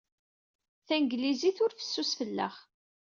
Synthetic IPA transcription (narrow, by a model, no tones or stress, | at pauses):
θænɡliziθʊɾfə̥sːusfəlːə̰χ